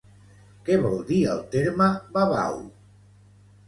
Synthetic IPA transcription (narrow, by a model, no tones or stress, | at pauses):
keβɔlˠd̪iəlˠt̪eɾmaβaβa̰w